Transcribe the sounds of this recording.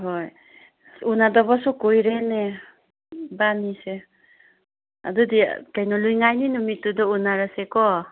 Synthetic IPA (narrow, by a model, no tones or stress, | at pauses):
ɦoj | unadɔβɔsukojɾene | banise | a̰dudḭkajnɔlujŋajninumitudɔunaɾasekɔ